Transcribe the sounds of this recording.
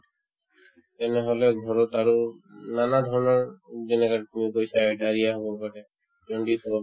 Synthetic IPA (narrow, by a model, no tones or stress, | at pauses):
t̪ɛnɛɦɔlɛɡʱɔɹɔt̪aɹunanad̪ʱɔɹɔnɔɹzɛnɛkaɹt̪imikojsaɖʱaɹijaɦɔbɔpaɾɛ | d͡ʒɔɳɖit̪ʰɔbɔ